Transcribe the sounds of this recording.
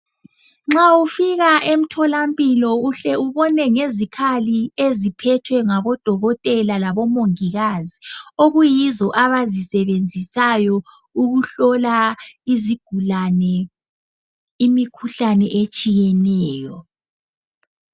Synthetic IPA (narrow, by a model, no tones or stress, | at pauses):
ŋ͡ǁaufiɣaʔem̩tʰɔlampʼilɔuɬɛuβɔnɛŋezikʰaliezipʰɛtʰwɛŋaβɔd̥ʱɔɣɔtʼɛlalaβɔmoŋiɣazioɣujizɔʔaβazisɛβend͡zʱisajɔ | uɣuɬɔlaiziɡ̥ʱulanɛ | imikʰuɬanɛʔet͡ʃʼijɛnɛːjɔ